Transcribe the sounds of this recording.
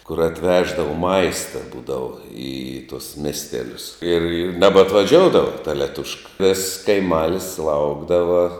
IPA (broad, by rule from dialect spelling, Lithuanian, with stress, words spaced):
kʊr ɐtʲˈʋʲæːʒdɐʋɐ ˈmɐɪstɐ ˈbuːdɐʋɐ ɪ tuɔs ˈmʲæːsʲtʲɛlʲʊs ɪr ɪr nʲɛbɐtʋɐˈʒʲoːʊdɐʋɐ tɐ lʲɛˈtʊʃkɐ ʋʲɪss kɐɪˈmɑːlʲɪs ˈlˠɐʊɡdɐʋɐ